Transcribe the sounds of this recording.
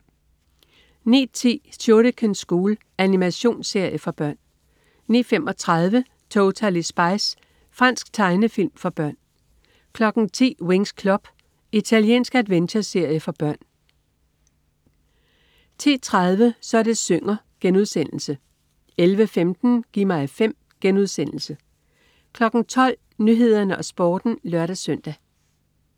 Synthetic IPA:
nḭːt͡sʰḭːsʰo̝ɾəkʰənsɡ̥uːl | ænimæɕo̝̰ːnse̝ɐ̰jəfɒ̽b̥ɶɐ̰nː | ḭːfem̰ɒ̽t͡sʰʁɑð̞ˠʋə | t͡sʰoʊt͡sʰælisb̥ɑ̈ɪs | fʁɑ̈n̰sɡ̥t͡sʰɑ̈ɪnəfil̰mfɒ̽b̥ɶɐ̰n | kʰlɒ̽ɡ̥n̩t͡sʰḭːwe̝ŋskʰlɒb̥ | it͡sʰæljḛːnsɡ̥æd̥ʋenɕʰɐse̝ɐ̰jəfɒ̽b̥ɶɐ̰n | t͡sʰe̝̰ːt͡sʰʁað̞ˠʋəsɒ̽ɐd̥e̝søŋɐ | ɡ̥enuð̞ˠsen̰l̩sə | elʋəfemd̥n̩ɡ̥ḭmɑ̈ɪfem̰ | ɡ̥enuð̞ˠsen̰l̩sə | kʰlɒ̽ɡ̥n̩t͡sʰɒ̽l̰ | nyɦe̝ð̞̰ˠɐnəʔɒ̽sb̥ɒːd̥n̩lɶɐɾæsœn̰d̥æ

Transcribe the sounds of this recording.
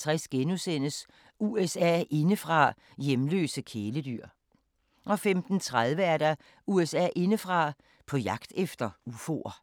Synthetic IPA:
t͡sʰʁɛsɡ̥enusen̰əs | uesɛ̰ːe̝nəfʁɑ̈ | jemlø̰ːsəkʰeːləd̥y̰ɐ̰ | ɒ̽femd̥n̩t͡sʰʁað̞ˠʋəæɐɾ̥ɑ | uesɛ̰ːʔe̝nəfʁɑ̈ | pʰɒ̽jɑ̈ɡ̥d̥efd̥ɐufo̝̰ɐ

